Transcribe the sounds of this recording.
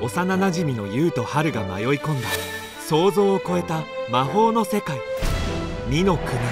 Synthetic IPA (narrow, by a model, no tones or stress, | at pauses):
o̞sananaʑimʲino̞jɯːt̪o̞haɾɯ̟ɡama̰jo̞ikõ̞nd̪a | so̞ːzo̞ːko̞e̞t̪amaɦo̞ːno̞se̞kai | mʲino̞kɯ̟mi